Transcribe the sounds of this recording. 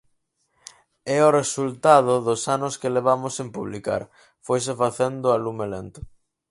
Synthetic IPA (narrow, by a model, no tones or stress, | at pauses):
ɛoresult̪að̞ʊðʊsanʊskeleβ̞amosempuβlika̰ɾ | fojs̬efaθend̪ʊalumelent̪ʊ̥